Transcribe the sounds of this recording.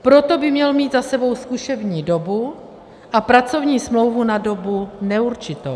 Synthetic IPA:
pɾo̞t̪o̞bɪmɲɛlmiːd̪zasɛbo̞wskuʃɛvɲiːdo̞bu | ʔapɾat͡so̞vɲiːsmlo̞wvunado̞bunɛuɾt͡ʃɪt̪o̰w

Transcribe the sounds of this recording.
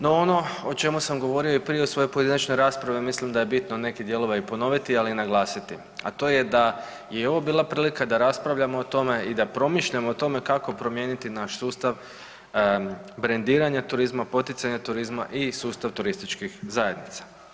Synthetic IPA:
noono̞ot͡ʃe̞musamɡo̞ʋo̞ɾio̞ipɾije̞usʋo̞jo̞jpo̞jed̪inat͡ʃnojɾaːspɾaʋimislimd̪ajebit̪no̞ne̞kid̪je̞lo̞ʋajupo̞no̞ʋit̪ialiinaɡlˠaːsit̪i | a̰t̪o̞je̞d̪a | jeio̞ʋo̞biːlˠapɾiːlikad̪aɾaspɾaʋʎamo̞ːt̪o̞me̞id̪apɾo̞miʃʎamoːt̪o̞me̞kako̞pɾo̞mje̞ːnit̪inaʃsuːst̪aʋ | bɾend̪iːɾaɲat̪uɾizmapo̞t̪it̪saɲat̪uɾizma̰ʔisuːst̪aʋt̪uɾist̪it͡ʃkixzaje̞d̪nit̪sḁ

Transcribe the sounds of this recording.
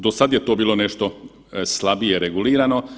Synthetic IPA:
d̪osad̪jet̪obiːloneʃt̪o̞ | slˠabijeɾeɡuliːɾano̞

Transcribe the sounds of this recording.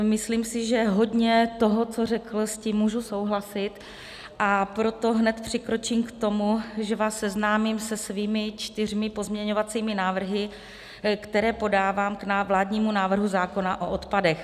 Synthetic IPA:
mɪslimsɪʒɛɦo̞dɲɛt̪o̞ɦo̞t͡so̞rɛkl̩sciːmːuːʒuso̞wɦlasɪt̪ | ʔapɾo̞t̪o̞ɦnɛt̪pr̝̥ɪkɾo̞t͡ʃiːmkt̪o̞muʒɛvaːssɛznaːmimsɛsviːmɪt͡ʃt̪ɪr̝mɪpo̞zmɲɛɲo̞vat͡siːmɪnaːvr̩ɦɪ | kt̪ɛɾɛːpo̞daːvaːmknavlaːdɲiːmunaːvr̩ɦuzaːko̞naʔoʔot̪padɛx

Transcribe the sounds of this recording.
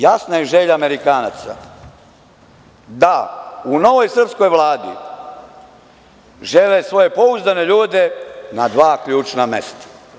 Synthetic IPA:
jasnajeʒeʎaːmeɾikaːnat̪sa̰ | d̪auno̞ʋo̞jsr̩psko̞jʋlˠaːd̪ḭ | ʒelesʋo̞je̞po̞uzd̪ane̞ʎuːd̪enad̪ʋaːkʎuːt͡ʃnamḛst̪ḁ

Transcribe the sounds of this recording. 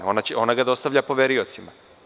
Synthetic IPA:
o̞nat͡ɕeo̞naɡad̪o̞st̪aʋʎʲapo̞ʋeɾio̞t̪sima

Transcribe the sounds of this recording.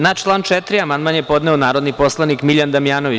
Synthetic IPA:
naːt͡ʃlˠaːnt͡ʃet̪ɾiamand̪manjepo̞d̪neonaːɾo̞d̪nipo̞slˠanikmiʎand̪amijaːnoʋi

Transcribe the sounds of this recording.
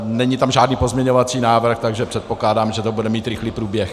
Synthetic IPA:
nɛɲɪt̪amʒaːdniːpo̞zmɲɛɲovat͡siːnaːvr̩xt̪aɡʒɛpr̥ɛt̪̚po̞klaːdaːmʒɛt̪obudɛmiːt̪ɾɪxliːpɾuːbjɛx

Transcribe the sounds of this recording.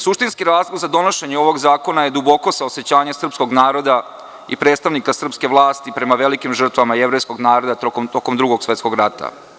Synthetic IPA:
suʃt̪inskiɾaːzlˠoɡzad̪o̞noʃe̞ɲeo̞ʋo̞ɡzaːko̞naje̞d̪ubo̞ko̞saose̞t͡ɕaːɲesr̩psko̞ɡnaːɾo̞d̪a | ḭpɾet̪st̪aʋnikasr̩pske̞ʋlˠaːst̪ipɾe̞maʋelikimʒr̩t̪ʋamajeʋɾe̞jsko̞ɡnaːɾo̞d̪at̪okomt̪o̞komd̪ɾuɡoɡsʋe̞t̪sko̞ɡɾat̪a̰

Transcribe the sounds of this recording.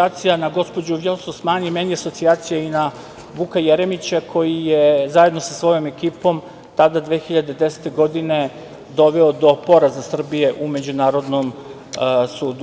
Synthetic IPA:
aːt̪sijanaɡo̞spo̞d͡ʑuʋjososmaːnimeniaso̞t̪siaːt̪sijaina | ʋukajeɾe̞mit͡ɕakʰo̞jijezaje̞d̪no̞sasʋo̞jo̞me̞kiːpo̞m | t̪ad̪ad̪ʋeːxiʎad̪ed̪e̞set̪e̞ɡo̞d̪ine̞ | d̪o̞ʋeo̞d̪o̞po̞ɾazasr̩bije̞ʔume̞d͡ʑunaːɾo̞d̪nom | suːd̪u

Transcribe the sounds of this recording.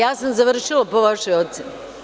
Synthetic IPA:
jaːsamzaʋr̩ʃilˠapo̞ʋaʃojot̪seni

